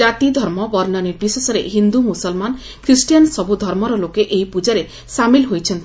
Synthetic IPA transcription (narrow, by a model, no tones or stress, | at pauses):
at̪id̪ʱɔɾmɔbɔɾnɔnipɾisɔsɔɾeɦind̪umusɔlman | kʰɾisʈijansɔbud̪ʱɔɾmɔɾɔlokeʔejpud͡ʒaɾe | samilɦojt͡ʃʰent̪